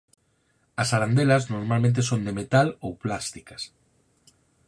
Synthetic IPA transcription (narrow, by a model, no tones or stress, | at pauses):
ɐsaɾand̪elɐznoɾmalmẽnt̪̬esond̪emet̪alowplast̪i̥kɐs